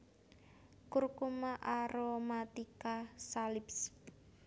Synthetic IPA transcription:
kurkumaʔaɾomat̪ikasalɪps

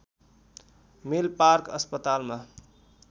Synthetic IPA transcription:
melpaɾkʌspət̪alma

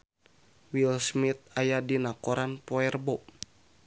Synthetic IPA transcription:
wilsmit̪̚ajadinakoɾanpɔɛrbɔ

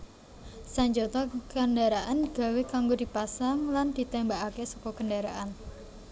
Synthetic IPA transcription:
saɲd͡ʒot̪ɔkəndaɾaʔanɡ̥a̤wekaŋɡodipasaŋland̪̥i̤t̪ɛmbakakesɔkɔkəndaɾa̰ʔan

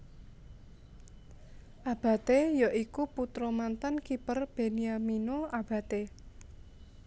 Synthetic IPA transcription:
ʔab̥a̤t̪ejaʔikuput̪ɾɔmant̪ankipərb̥e̤niaminoab̥ä̤t̪e

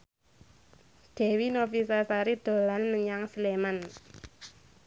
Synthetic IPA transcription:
ɖ̪̥ɛ̤winofisasaɾid̪̥o̤lanməɲaŋslemən

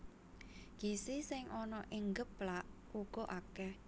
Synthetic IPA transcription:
ɡ̥isisɪŋʔɔnɔʔɪŋɡəplaʔ | uɡ̥ɔ̤ʔakɛh

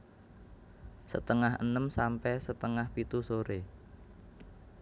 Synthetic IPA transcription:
sə̰t̪əŋaɦə̰nəmsampɛsət̪əŋahpit̪usoɾe

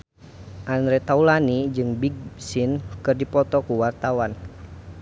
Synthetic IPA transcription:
ʔandɾɛt̪aulanid͡ʒɨŋbiɡ̚sinkɨrdipɔt̪ɔkuwart̪awan

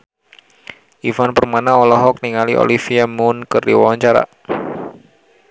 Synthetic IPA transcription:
ʔifanpərmanaɔlɔɦɔk̚niŋaliʔo̰lifiamunkərdḭwa̰waɲt͡ʃaɾa̰

